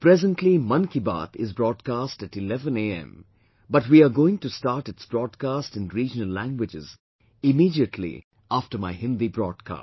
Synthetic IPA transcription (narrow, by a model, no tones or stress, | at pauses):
pɾɛzə̃nʈʰlimʌ̃nkiba̰ːt̪ɪzbɾɔːd̚kasʈæʈɪlɛvə̃neɛ̰̃m | bʌʈwiaɡoɪ̃ŋʈustaːɾʈɪtsb̥ɾɔːd̚kaːsʈɨ̃nɾiːd͡ʒənəlːæ̃ŋɡwɪd͡ʒɪ̰z | ɪmiːdiətʰlḭ | afʈəɾmaɪhɪ̃nd̪ibɾɔːd̚kʰa̰ːs